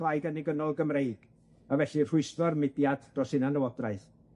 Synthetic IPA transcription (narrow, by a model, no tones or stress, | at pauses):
lˠajɡəniɡənɔlˠɡəmrejɡ̥ | avɛɬir̥ʊɨsvɔrmɪdjad̥d̥rɔsɪnanəwɔdraɨθ